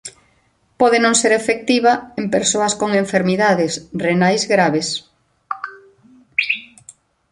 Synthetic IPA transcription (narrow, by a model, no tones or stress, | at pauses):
pɔðenõŋseɾefek̚t̪iβaempeɾsoɐskoŋeɱfeɾmiðaðɪsrenajzɣɾaβes